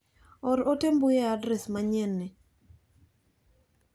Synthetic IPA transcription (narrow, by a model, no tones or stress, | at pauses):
ɔɾotembʊjɛadɾɛsmaɲɛnːɪ